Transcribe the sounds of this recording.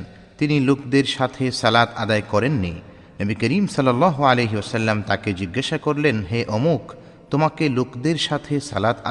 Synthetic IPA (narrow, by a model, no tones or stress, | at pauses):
t̪inilokd̪eɾʃat̪ʰesɐlat̪ad̪aekɔɾenːḭ | nəbikəɾimsʌlːɐlːɑːɦoalejɦiosɐlːamt̪aked͡ʑiɡːaʃakoɾlenɦeʔomok | t̪omakelokd̪eɾʃat̪ʰesɐ̰lat̪a